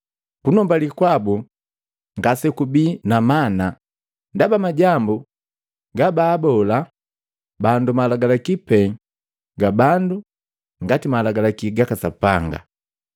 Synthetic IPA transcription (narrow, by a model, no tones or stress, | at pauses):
punɔmbalikwabu | ŋɡasɛkubinamana | ndabamaɟambu | ɡabaːbɔla | bandumalaɡalakipɛŋ | ɡabandu | ŋɡatimalaɡalakiɡakasapaŋɡa̰